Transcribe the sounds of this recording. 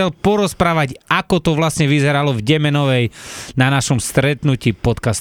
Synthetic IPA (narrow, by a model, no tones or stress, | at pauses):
ɛlpɔɾɔspɾaːʋaɟakɔt̪ɔʋlasɲɛʋizɛɾalɔvɟɛmɛnɔʋɛjnanaʃɔmst̪ɾɛt̪nuciːpɔt̪kast̪